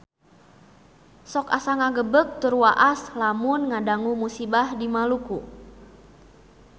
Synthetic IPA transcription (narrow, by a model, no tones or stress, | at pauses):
sɔka̰saŋaɡəbək̚t̪urwaʔaslamʊnŋadaŋumusibahdimaluku